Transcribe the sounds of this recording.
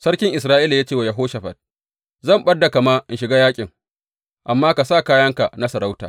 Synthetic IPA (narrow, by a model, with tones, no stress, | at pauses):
sɐ˦ɽkʲɪ˦ŋʔɪ˨s̬ɾaː˦ʔiː˦la˨jaː˦t͡ʃeː˦˨wa˨ja˨ɦoː˦ʃɐ˨ɸɐ̰˨t̚ | zɐ˦˨mɓɐ˦dːa˨ka˨maː˦ʔɪ˦˨nʃɪ˨ɡaː˦jaː˦kʲʼɪ˨ŋ | ʔa˨mːaː˦ka˨saː˦˨kaː˦jɐ˦ŋka˨na˦sɐ˨ɾa˦wta̰ː˨